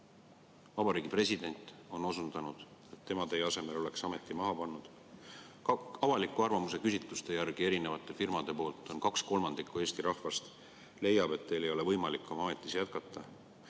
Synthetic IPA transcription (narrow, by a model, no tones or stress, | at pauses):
vɑbɑɾiːɡ̥ipre̞sid̪̥e̞nʲt̪ˑo̞no̞sunt̪ɑnud̪̥ | e̞t̪ːe̞mɑt̪e̞jɑse̞me̞lo̞le̞ksɑme̞t̪ˑːimɑɦɑpɑnːud̪̥ | ɑvɑlikːˑuɑrvɑmuse̞kysʲit̪lust̪e̞jærɡ̥ie̞ɾine̞vɑt̪ːˑe̞firmɑd̪̥e̞po̞ːlt̪ːˑo̞nkɑksko̞lmɑnd̪̥ikːˑue̞ːsʲt̪iɾɑhfɑst̪ | le̞jːɑb̥e̞t̪ːe̞jle̞jo̞le̞vɤjmɑlikːˑo̞mɑme̞t̪ˑːisjæt̪kɑt̪ːˑɑ